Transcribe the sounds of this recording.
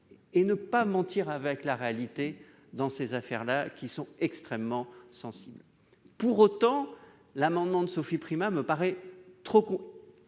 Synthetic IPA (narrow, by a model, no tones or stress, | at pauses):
enəpamɑ̃t̪iʁavɛklaʁealit̪e | d̪ɑ̃sezafɛ̰ʁlakʲisɔ̃ɛkst̪χɛmːɑ̃sɑ̃sibl | puʁot̪ɑ̃ | lamɑ̃d̪mɑ̃d̪əsofipχimaməpaʁɛt̪χokɔ̃